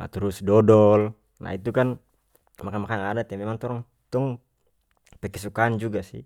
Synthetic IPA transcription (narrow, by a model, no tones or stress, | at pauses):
t̪ɾusdɔdɔl | na̰it̪ukan | makamakanadat̪jamɛmaŋt̪ɔɾɔŋ | t̪ɔŋ | pɛkɛsukaːnd͡ʒuɡasḭ